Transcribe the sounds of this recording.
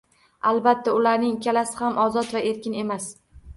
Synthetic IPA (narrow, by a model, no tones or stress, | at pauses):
albat̪ːaʊlaɾnɪŋkʲʰalasɪhamʔɒzɒt̪vaʔe̞ɾkʲɪne̞mas